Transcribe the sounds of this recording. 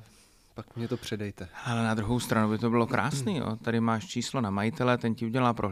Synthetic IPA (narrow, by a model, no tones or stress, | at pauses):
pakmɲɛt̪opr̝̥ɛdɛjt̪ɛalɛnad̪ɾuɦo̞wst̪ɾanuwbɪt̪o̞bɪlo̞kɾʔa̰ːsniːjo̰t̪adɪmaːʃt͡ʃiːslo̞namajɪt̪ɛlɛt̪ɛɲcɪuɟɛlaːpɾoɦ